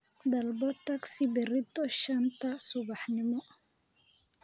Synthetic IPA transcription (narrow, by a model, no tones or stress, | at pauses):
d̪ɐlbɔt̪ɐksibɛrit̪ːɔʃɐnt̪ɐsʊbaħnɪmɔ